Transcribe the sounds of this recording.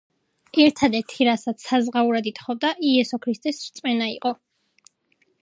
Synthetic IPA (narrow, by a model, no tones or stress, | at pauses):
ɛɾt̪ʰad̪ɛɾt̪ʰiɾasat̪sʰazʁauɾad̪it̪χɔvd̪aʔiɛsɔkʰɾist̪ʼɛsɾt̪sʼmɛnaḭqʼɔ